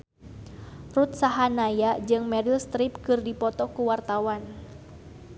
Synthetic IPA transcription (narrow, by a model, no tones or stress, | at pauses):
rut̪̚saɦanajad͡ʒɨŋmɛɾilst̪ɾipkɨrdipɔt̪ɔkuwart̪awan